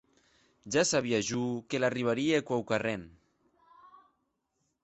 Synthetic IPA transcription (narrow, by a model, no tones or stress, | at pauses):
ʒasaβiaʒukelariβ̞aɾiekwawkaren